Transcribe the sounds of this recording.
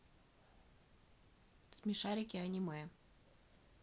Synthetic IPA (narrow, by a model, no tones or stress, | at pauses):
smʲɪʂaɾʲɪkʲɪɐnʲɪmɛ